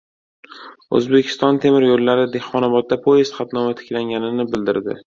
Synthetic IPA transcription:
ɵ̰zbe̞kʲʰɪ̥st̪ɒnt̪ʰe̞mɪɾjolːaɾɪd̪ehɒnabɒt̪̚d̪apʰoest̪χat̪nɒmat̪ʰɪ̥kʲlaŋɡʲanɪnɪbɪld̪ɪɾd̪ɪ̰

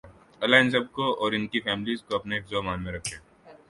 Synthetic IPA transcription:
ɐlaɪns̬ɐb̚koɔːɾɪnkifɛːmɪlizkoɐpneɪkzɔːmaːnmẽɾɐkʰẽ

